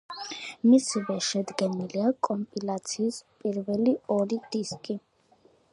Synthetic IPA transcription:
misivɛʃɛd̪ɡɛniliakʼɔmpʼilat̪sʰiːspʼiɾvɛliɔɾid̪̥iskʼi

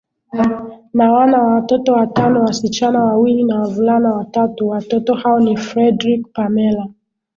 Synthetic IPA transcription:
nawanawawatɔtɔwatanɔwasit͡ʃanawawilinawavulanawatatuwatɔtɔhaɔnifɾɛdɾik̚pamɛla

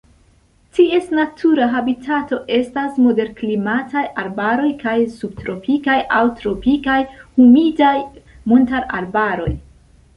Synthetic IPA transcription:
tie̞snatʰuɾaɦabitʰato̞ʔe̞stasmo̞de̞ɾklimatʰajʔaɾbaɾo̞jkajsub̚tɾo̞pʰikajʔawtɾo̞pikajhumidaj | montaɾa̰ɾbaɾo̞̰j

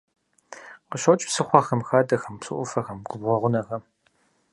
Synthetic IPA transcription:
qəɕɐt͡ʃʼsɨχʷɑxɐmxaːdɐxɐmpsɨ̰ʔʷʊfɐxɐmɡʷʊbʁʷɔʁʷʊnɐxɐ

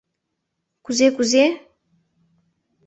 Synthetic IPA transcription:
kuzekuzje

